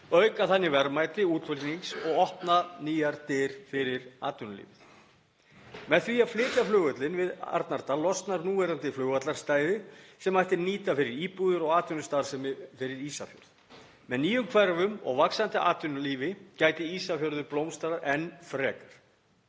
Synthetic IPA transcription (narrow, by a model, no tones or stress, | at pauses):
œɥkaθanːɪvɛɾmaːjt̪ɪuːt̪fʏlniŋsɔɣɔhp̪naniːjaɾt̪ɪɾ̥fɪɾɪɾaːt̪ʏnʏlḭːvɪθ | mɛðθviːaflɪːt̪laflʏːɣœt̪lɪnvɪða̰ɾt̪naɾt̪alɔst̪naɾnuːvɛɾant̪ɪflœːɣat̪laɾ̥st̪aːjðɪsɛmajht̪ɪniːt̪afɪɾɪɾiːpuɣðʏɾɔɣaːt̪ʏnʏst̪aɾ̥sɛmfɪɾɪɾiːsafjœ̰ɾð | mɛðniːjʏmkʰvɛɾvʏmɔ̰ɣvaksant̪ɪʔa̰ːt̪ʏnaliːvɪcaːjt̪ɪiːsafjœɾðʏɾplowmst̪aɾaʔɛnfɾɛːkḁɾ̥